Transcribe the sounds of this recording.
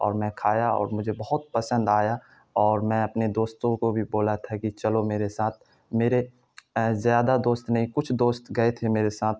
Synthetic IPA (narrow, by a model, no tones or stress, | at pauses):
ɔ̰ːɾmɛ̃kʰaːjaɔ̰ːɾmʊd͡ʒʱebɐɦʊt̪̚pɐsə̃nd̪aːja | ɔːɾmɛ̃ɐpned̪oːst̪õkobʱiboːlat̪ʰakit͡ʃɐlomeːɾesaːt̪ʰ | meːɾe | zjaːd̪ad̪oːst̪nɐɦĩkʊt͡ʃʰd̪oːst̪ɡɐet̪ʰemeːɾesaːt̪̚ʰ